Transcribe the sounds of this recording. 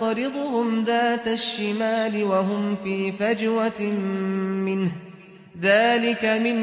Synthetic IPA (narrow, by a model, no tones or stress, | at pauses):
ɑɾɪd̪ˤʊhʊmðaːt̪aʃːɪmaːlɪwaɦʊmfiːfad͡ʒwa | mɪnh | ðaːlɪkamɪn